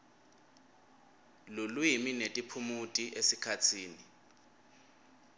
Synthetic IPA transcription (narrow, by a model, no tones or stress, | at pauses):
lulwiminetʼipʰumutʼiʔesikʰatʰiːni